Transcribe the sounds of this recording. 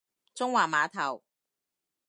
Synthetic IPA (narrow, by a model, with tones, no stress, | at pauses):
t͡sʊ˥ŋwaː˨˩maː˨˧t̪ʰɐ˨˩w